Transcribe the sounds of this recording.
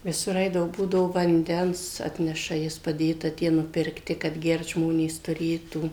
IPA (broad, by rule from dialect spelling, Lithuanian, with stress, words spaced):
ʋʲɪˈsʊr ˈɐɪdɐʋoː ˈbuːdɐʋoː ʋɐnʲˈdʲɛns ˈɑːtʲnʲɛʃɐ ˈjɪs pɐˈdʲeːtɐ ˈtʲiɛ nʊpʲɪrkˈtʲɪ kɐt ˈɡʲɛrt ˈʒmoːnʲeːs tʊˈrʲeːtuː